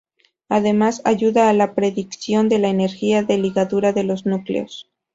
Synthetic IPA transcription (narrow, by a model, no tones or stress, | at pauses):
aðe̞masaʝuðaːlapɾe̞ðiksjo̞nd̪e̞laene̞ɾxiaðe̞liɣaðuɾaðe̞lo̞znuklḛo̞̰s